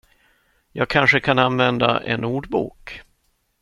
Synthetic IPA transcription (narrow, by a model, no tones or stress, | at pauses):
jɑːɡ̚kʰanʂəkʰananvɛnd̪a̰ʔɛ̰nuːɖbṵːk